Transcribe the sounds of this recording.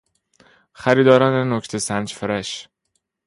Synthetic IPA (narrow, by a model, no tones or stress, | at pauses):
xæɾiːd̪ɒːɾɒːnenocʰt̪ʰesænd͡ʒfeɾæʃ